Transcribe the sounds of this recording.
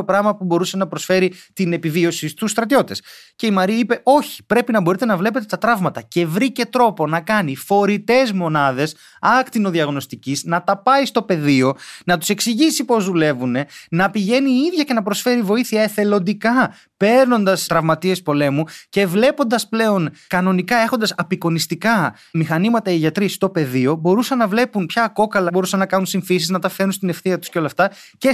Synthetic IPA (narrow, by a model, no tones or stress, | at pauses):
opɾɐmɐpubo̞ɾuse̞nɐpɾo̞sfe̞ɾit̪ine̞pivio̞sist̪usːt̪ɾɐt̪io̞t̪e̞sce̞imɐɾiipe̞ʔo̞çi̥pɾe̞pinɐbo̞ɾit̪e̞nɐvle̞pe̞t̪et̪ɐt̪ɾɐvmɐt̪ɐce̞vɾice̞t̪ɾo̞po̞nɐkɐnifo̞ɾit̪e̞zmo̞nɐðe̞s | ɐkt̪inoðiɐɣno̞st̪iciznɐt̪ɐpɐist̪o̞pe̞ðio̞nɐt̪u̥se̞ksiʝisipo̞zðule̞vune̞nɐpiʝe̞niiðʝɐce̞nɐpɾo̞sfe̞ɾivo̞iθiɐe̞θe̞lo̞nd̪ikɐ | pe̞ɾno̞nd̪ɐst̪ɾɐvmɐt̪ie̞spo̞le̞muce̞vle̞po̞nd̪ɐsple̞o̞nkɐno̞nikɐe̞xond̪ɐsɐpiko̞nist̪ikɐ | mixɐnimɐt̪ɐiʝɐt̪ɾist̪o̞pe̞ðio̞bo̞ɾusɐnːɐvle̞punpçɐːko̞kɐlɐbo̞ɾusɐnːɐkɐnunsiɱfisiznɐt̪ɐfe̞ɾunst̪ine̞fθiɐt̪u̥sceo̞lɐft̪ɐce